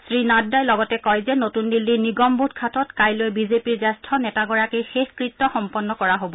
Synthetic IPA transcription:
sɹinaddajlɔɡɔtɛkɔjzɛnotundilːiniɡɔmbʱudkʰatɔtkajlojbizepiɹzastʰɔnɛtaɡɔɹakixexkɹitːɔxɔmpɔnːɔkɔɹaɦobɔ

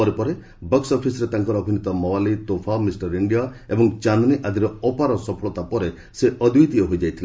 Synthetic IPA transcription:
ɔɾepɔɾe | bɔksɔpʰisɔɾet̪aŋkɔɾɔːbʱinit̪ɔmɔwalit̪opʰamisʈɔɾiɳɖijaebɔŋt͡ʃanɔniʔad̪ʱiɾɔɔpaɾɔsɔpʰɔɭɔt̪apɔɾe | seʔɔd̪ʱujt̪iɔɦojd͡ʒajt̪ʰile

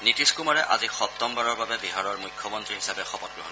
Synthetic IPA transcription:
nitiskumaɹɛʔa̰zixɔt̪ːɔmbaɹɔɹbabɛbiɦaɹɔɹmujkʰːɔmɔntɹiɦisabɛxɔpɔt̚ɡɹuɦɔ̰n

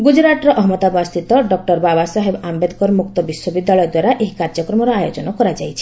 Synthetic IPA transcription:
ɡud͡ʒɾaʈɾɔʔɔɦmɔt̪abast̪it̪ɔɖɔk̚ʈɔɾbabasɔɦebambed̪kɔɾmuk̚t̪ɔbiswɔbid̪ːalɔjɔd̪waɾaʔeɦikaɾd͡ʒɔkɾɔmɔɾɔajod͡ʒɔnɔkɔɾad͡ʒajt͡ʃʰi̥

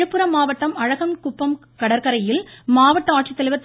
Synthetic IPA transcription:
ɯpːɯɾɐmaːʋɐʈːɐmɐɻɐɣɐmkʊpːɐm | kɐɽɐɾkɐɾɐjɪlmaːʋɐʈːɐaːʈt͡ʃit̪ːɐlɪʋɐt̪ː

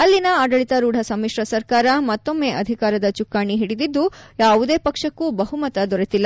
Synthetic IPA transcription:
ɐlːinɐaːɖɐɭit̪ɐɾuːɽʱɐsɐmːiʂɾɐsɐɾkaːɾɐmɐt̪ːo̞mːe̞ːʔɐd̪ʱikaːɾɐd̪ɐt͡ʃukːaːɳiɦiɽid̪id̪ːujaːʋud̪e̞ːpɐkʂɐkːubɐɦumɐt̪ɐd̪ɔɾet̪ilːɐ

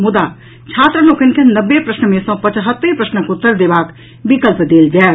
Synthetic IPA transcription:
mʊd̪a | t͡ʃʰaːt̪ɾəloːkənkenəbːepɾəʃnəmẽsɔ̃pət͡ʃɦət̪ːəpɾəʃnəkʊt̪ːəɾd̪eːbaːk | bɪkəlpd̪eːld͡ʒɛ

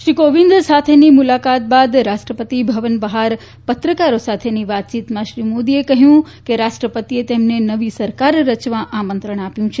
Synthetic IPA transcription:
ʃɾikoʋĩnd̪sat̪ʰenimulakat̪̚bad̪ɾaʃʈɾəpət̪ibʱəʋənbəɦaɾ | pət̪ɾəkaɾosat̪ʰeniʋat̪̚t͡ʃit̪mãʃɾimod̪iekəɦjũ | keɾaʃʈɾəpət̪iet̪emnenəʋisəɾkaɾːət͡ʃʋãʔamənt̪ɾəɳ̃apjũt͡ʃʰe

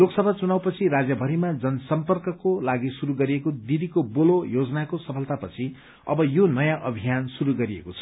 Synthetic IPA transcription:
loksʌbʱat͡sunawpʌt͡sʰiɾad͡zjʌbʱʌɾimad͡zʌnʌsʌmpʌrkʌkolaɡisuɾuɡʌɾiekod̪id̪ikobolojod͡zʌnakosʌpʰʌlt̪apʌt͡sʰi | ʌ̰bʌjonʌjãʔʌbʱijansuɾuɡʌɾiḛkot͡sʰʌ̥

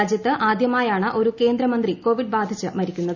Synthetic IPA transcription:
d͡ʑjɐt̪ːɨʔaːd̪jɐmaːjaːɳɨʔo̞ɾuke̞ːnd̪ɾɐmɐnd̪riko̞ːʋiɖbaːd̪ʱit͡ɕːɨmɐɾikʲːunːɐð

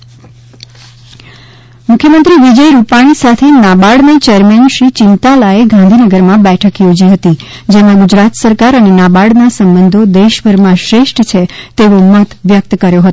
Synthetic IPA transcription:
mʊkʰjəmənt̪ɾiʋid͡ʒəjɾupaɽ̃isat̪ʰenabaɽnet͡ʃeəɾmenʃɾit͡ʃɪnt̪alaeɡʱãnd̪ʱinəɡəɾmãbɛʈʰəkjod͡ʒiɦət̪i | d͡ʒemãɡud͡ʒɾat̪səɾkaɾənenabaɽnasəmbənd̪ʱod̪eʃʋəɾmãʃɾeʃʈt͡ʃʰet̪eʋomət̪ʋjək̚t̪kəɾjoɦət̪o

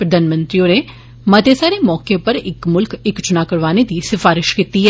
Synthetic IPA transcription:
pɾəd̪ʱaːnmə̃nt̪ɾiõne | mɐt̪esaːɾemɔːkepəɾɪkmʊlkɪkt͡ʃʊnakəɾʋaːned̪iːsɪfaːɾɪʃkit̪iɦɛ

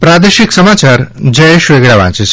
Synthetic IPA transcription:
pɾad̪eʃiksəmat͡ʃaɾd͡ʒəeʃʋeɡɽaʋã̰t͡ʃet͡ʃʰ

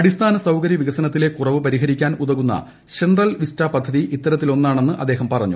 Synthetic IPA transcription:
ɐɽist̪ʰaːnɐsɐwkɐɾjɐʋiɣɐsɐnɐt̪ːile̞kurɐʋɨpɐɾiɦɐɾikʲːaːnuðɐɣunːɐ̰ | t͡ɕenrɐlʋistaːpɐd̪ʱːɐðiʔit̪ːɐɾɐt̪ːilo̞nːaːɳe̞nːɨʔɐd̪ːe̞ːɦɐmpɐrɐɲːṵ

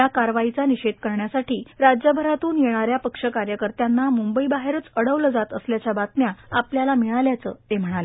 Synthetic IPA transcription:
jakaɾʋait͡saniɕed̪kəɾɳjasaʈiːɾad͡ʑjəbʱəɾat̪uːnjeɽ̃aɾjapəkʂəkaɾjəkəɾt̪janːamumbəibaɦeɾət͡səɽəʋləd͡zat̪əsljat͡ɕjabat̪njaapljalamiɭaljat͡sə̰ːt̪em̤əɽ̃ale

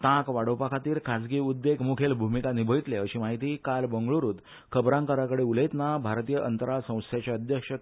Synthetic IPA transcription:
t̪ãkʋaɽ̤opakʰat̪iːɾkʰad͡zɡiːud̪ːekmukʰelbʱumikanibʱəit̪leəɕiːmaɦit̪iːkalbəŋɡɭuɾuːt̪ | kʰəbɾãŋkəɾakəɽeuləjt̪nabʱaɾt̪ijəʔənt̪əɾasə̃w̃st̪ʰjat͡ɕaəd̪ʱjəkʂə

